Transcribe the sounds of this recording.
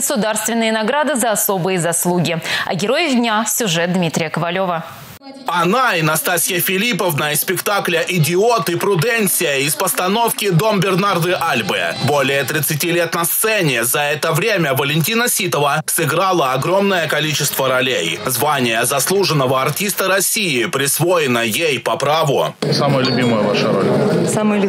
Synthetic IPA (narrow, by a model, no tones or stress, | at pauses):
əsʊd̪arst̪vʲɪnːɨjənɐɡɾad̪ɨzəɐso̞bɨjəzɐslˠuɡʲɪɐ̰ɡʲɪɾo̞jɪvd̪ʲnʲasʲʊʐɛt̪̚d̪mʲit̪ɾʲɪjəkəvɐlʲo̞və | ɐnaɪnɐst̪asʲɪjəfʲɪlʲipəvnəispʲɪkt̪aklʲəʔɪdʲɪot̪ɨpɾʊd̪ɛnʲsʲɪjəɪspəst̪ɐno̞fkʲɪd̪o̞mbʲɪrnard̪ɨʔalʲbɨə̰bolʲɪjət̪ɾʲɪt̪sɨtʲilʲet̪nɐst̪sɛnʲɪzɐɛt̪əvɾʲemʲəvəlʲɪnʲt̬ʲinəsʲit̪əvəsɨɡɾalˠəɐɡɾo̞mnəjəkɐlʲit͡ɕɪst̪vəɾɐlʲejzvanʲɪjəzɐslˠuʐɨnːəvəɐrtʲist̪əɾɐsʲijɪpɾʲɪsvojɪnəjejpɐpɾavʊsaməjəlʲʊbʲiməjəvaʂəɾolʲsamʲ